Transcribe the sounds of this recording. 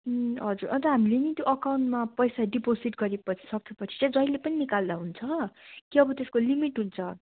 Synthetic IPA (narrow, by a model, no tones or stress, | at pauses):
ɦʌd͡zurʔʌnt̪ʌɦamilenit̪joʔʌkawnʈmapʌjsaɖiposiʈɡʌɾepʌt͡sʰi̥sʌkʰepʌt͡sʰi̥t͡sʌ̃j̃d͡zʌjlːepʌninikald̪aɦunt͡sʰʌkiʌbʌt̪eskolimiʈɦunt͡sʰʌ